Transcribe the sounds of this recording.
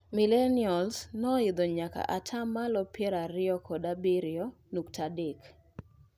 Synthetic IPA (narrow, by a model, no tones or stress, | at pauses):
milenɪɔlsnɔɪd̪ɔɲaka̰ʔatʰamːalɔpjɛɾaɾɪɔkʰɔdabiɾɪɔ | nuktʰadɪk